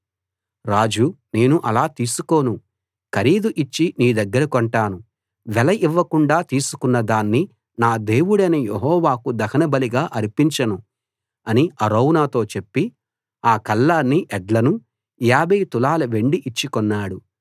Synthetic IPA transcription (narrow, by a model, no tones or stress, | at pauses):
ɾaːd͡ʒune̞ːnuʔɐlaːt̪iːsuko̞ːnu | kɐɾiːd̪uʔit͡ʃːiniːd̪ɐɡːɐɾɐkoɳʈaːnu | ʋɛlɐʔiʋːɐkuɳɖaːt̪iːsukunːɐd̪aːnːi | naːd̪e̞ːwuɽɐnejeɦɔːʋaːkud̪ɐkʰɐnɐbɐliɡaːʔɐɾipiɲt͡ʃɐnu | ɐniɐɾoːwnaːt̪o̞ːt͡ʃe̞pːi | aːkɐlːaːnːiʔɛɖlɐnu | jaːbeːt̪ulaːlɐʋe̞ɳɖiʔit͡ʃːikɔnːaːɽu